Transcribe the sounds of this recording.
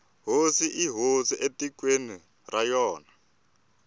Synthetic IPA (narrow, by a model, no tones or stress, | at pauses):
ɦosiʔiɦosiʔetikweni | rajɔːna